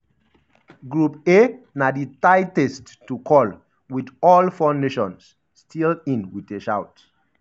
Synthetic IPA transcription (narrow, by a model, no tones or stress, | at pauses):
ɡɹupe | naditaɪtɛstː | ukʰɔl | widɔlfãʊ̃ndeʃɔ̰̃ns | stʰilĩnwiteʃawt